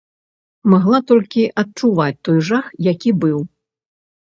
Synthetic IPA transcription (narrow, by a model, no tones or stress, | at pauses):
maɣlˠat̪ɔlʲkʲiʔɐt̪̚t͡ʂuvat͡sʲt̪ɔjʐaxjakʲibɨw